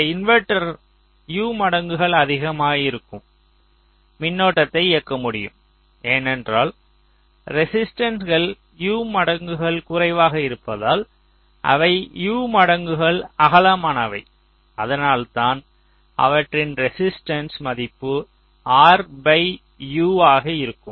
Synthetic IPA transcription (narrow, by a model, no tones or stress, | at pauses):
ɪnʋɛʈːɐɾ | juːmɐɽɐŋɡɯɣɐɭɐðɪɣɐmaːɣɐɪɾɯkːɯm | mɪnːoːʈːɐt̪ːɐɪɪɐkːɐmʊɽɪjɯ̰m | eːnɛndraːl | ɾɛsɪsʈɐnsɣɐɭ | juːmɐɽɐŋɡɯɣɐɭkʊrɐɪʋaːɣɐɪɾɯpːɐðaːl | ʔɐ̰ʋɐɪjuːmɐɽɐŋɡɯɣɐɭɐɣɐlɐmaːnɐʋɐɪ | ɐðɐnaːlt̪aːn | ɐ̰ʋɐʈrɪnɾɛsɪsʈɐnsmɐðɪpːɯ | aːɾbɐɪ | juːaːɣɐɪɾɯkːɯm